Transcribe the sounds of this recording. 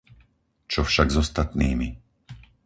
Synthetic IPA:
t͡ʃɔfʃaɡzɔst̪at̪niːmi

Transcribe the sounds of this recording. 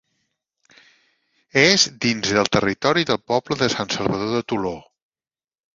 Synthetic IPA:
ezd̪inzðəlˠt̪ərit̪ɔɾiðəlˠpɔbləðəsansəlˠβəðoðət̪ulo

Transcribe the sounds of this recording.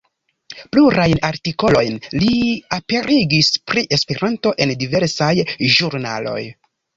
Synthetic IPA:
pluɾajnaɾtiko̞lo̞jnliape̞ɾʔiɡispɾiʔe̞speɾʔanto̞ʔe̞ndive̞ɾsajʒuɾna̰lo̞̰j

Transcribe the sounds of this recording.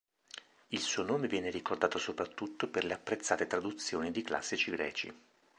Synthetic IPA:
ilsuːonoːmevjɛːneɾikord̪aːt̪osopɾat̪ːut̪ːoperleapːɾet̪sːaːt̪et̪ɾad̪ut̪sːjoːnid̪ikla̰sːit͡ʃiɡɾɛ̰ːt͡ʃḭ

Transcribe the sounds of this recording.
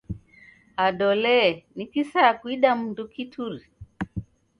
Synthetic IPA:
aɗɔlɛnikisakuiɗam̩ndukitʰuɾi

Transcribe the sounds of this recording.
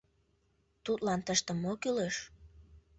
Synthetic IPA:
t̪ut̪lɑnt̪əʃt̪əmːokyleʃ

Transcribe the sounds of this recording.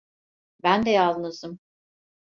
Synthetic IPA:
bænd̪ɛjalˠɯnɯzɯm

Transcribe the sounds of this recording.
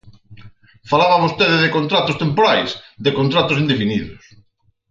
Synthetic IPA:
falaβaβost̪eðɪðɪkont̪ɾat̪ʊst̪empoɾajsðɪkont̪ɾat̪ʊsind̪efiniðʊs

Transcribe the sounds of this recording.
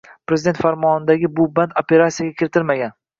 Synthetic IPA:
pɾezɪd̪e̞nt̪faɾmɒnɪd̪aɡʲɪbʊbant̪ope̞ɾat̪sʲijaɡʲakʲʰɪɾɪt̪ʰɪɾmaɡʲan

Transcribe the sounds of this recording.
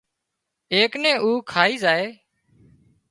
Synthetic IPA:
eːknẽːʔuːkʰaːiːzaːeː

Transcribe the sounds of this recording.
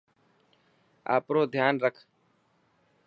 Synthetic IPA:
a̰ːpɾoːd̪ʱjaːnɾəkʰ

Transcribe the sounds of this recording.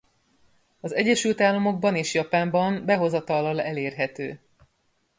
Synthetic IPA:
ɒzɛɟːɛʃylt̪aːlːɒmo̞ɡ̚bɒneːʃjɒpaːmbɒmbɛɦo̞zɒt̪ɒlːɒlɛleːrɦɛt̪øː

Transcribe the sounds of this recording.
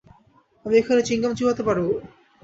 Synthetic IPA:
amiekʰanet͡ɕiŋkamt͡ɕʰiɦot̪epaɾu

